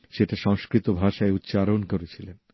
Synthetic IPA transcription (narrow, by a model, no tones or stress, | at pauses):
ʃeʈaʃɔŋskɾit̪obʱaʃaeut̪ːt͡ɕaɾonkoɾet͡ɕʰilen